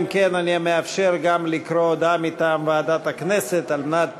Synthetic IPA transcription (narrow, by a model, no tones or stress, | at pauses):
mkenaniameafʃeʁɡamlikɾod̪amit̪amvead̪at̪akneset̪alnat̪̚